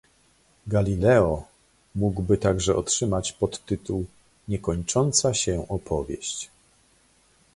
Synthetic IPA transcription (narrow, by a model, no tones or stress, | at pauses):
ɡalʲilɛɔ | muɡwbɘt̪aɡʐɛʔɔtʂɘmat͡ɕpɔt̪ːɘt̪uw | ɲɛkɔɲt͡ʂɔnt̪saɕɛʔɔpʰɔvʲjɛ̰ɕt͡ɕ